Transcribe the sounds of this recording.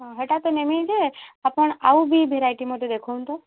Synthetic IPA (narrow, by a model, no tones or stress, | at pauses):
ɦaɦəʈat̪onemĩd͡ʒeapəɳaʋubʱibʱeɾajʈimõt̪ed̪ekʰont̪o